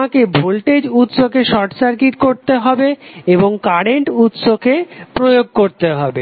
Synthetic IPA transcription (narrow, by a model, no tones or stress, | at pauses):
akebʱolʈed͡ʑut̪soɡeʃɔɾʈsaɾkiʈkoɾt̪eɦɔbeeboŋkaɾeɳʈut̪soɡepɾojoɡ̚koɾt̪eɦɔbe